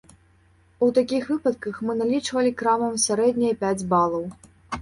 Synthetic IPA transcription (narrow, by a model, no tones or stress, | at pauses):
ut̪akʲixvɨpɐt̪̚kɐxmɨnalʲit͡ʂvɐlʲikɾamɐmsʲaɾɛd̪ʲnʲɐjpʲad͡zʲbalˠɐw